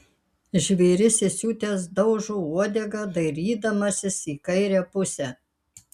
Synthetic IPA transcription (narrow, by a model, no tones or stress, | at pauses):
ʒʲʋʲɛɪɾʲɪsʲɪsʲuːt̪ʲeːs̬d̪ɒʊʒuːuɔd̪ʲɛɡɐd̪ɐɪɾʲiːd̪ɐmɐsʲɪsiːkɐɪɾʲæpʊsʲɛː